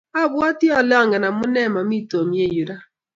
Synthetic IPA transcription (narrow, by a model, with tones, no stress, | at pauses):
a˦bwɔ˦ti˦ɔ˨lɛ˦ɔ˦ŋa˨na˨˦mʊ˦nɛ˦˨ma˨m˦i˦to˨mi˨˦e˦˨ju˨ɾa˦